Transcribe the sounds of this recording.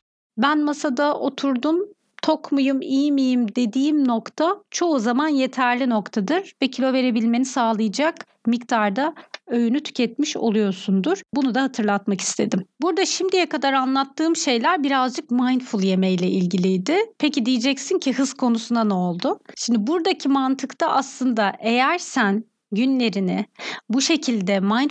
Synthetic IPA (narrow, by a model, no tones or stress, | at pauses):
bænmasad̪aʔo̞t̪ʰuɾd̪um | t̪ʰo̞kmujɯmijimijimd̪e̞d̪iːimno̞kt̪ʰat͡ʃʰo̞uzamanje̞t̪ʰæɾlʲino̞kt̪ʰad̪ɯɾvɛcʰilʲo̞ve̞ɾe̞bilʲme̞nisaːlˠɯjɯd͡ʒak | mikt̪ʰaɾd̪aø̞jynyt̪ʰy̥cʰɛt̪̚miʃo̞̰lˠujo̞ɾsund̪uɾ̥bunud̪ahat̪ʰɯɾlˠat̪maki̥st̪ʰe̞d̪imbuɾd̪aʃimd̪ijɛkad̪aɾanlˠat̪ːɯːmʃe̞jlʲæɾbiɾazd͡ʒɯk̚majnfulˠje̞mejlʲɛʔilʲɟilʲijd̪ɪpʰecid̪ijid͡ʒɛcsincʰiɦɯz̥kʰo̞nusunanɛolˠd̪ʊʃimd̪buɾd̪acʰimant̪ʰɯkt̪ʰaʔaslˠɯnd̪aʔe̞jæɾsæn | ɟynlʲe̞ɾinɪbuʃe̞cʰilʲd̪ɛmajn